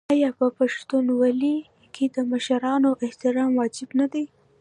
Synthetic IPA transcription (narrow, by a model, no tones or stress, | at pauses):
ɑjɑpəpaʃt̪unwali | kʰed̪əmaʃaɾɑnoʔɪht̪ɪɾɑmwɑd͡ʒɪbnad̪aj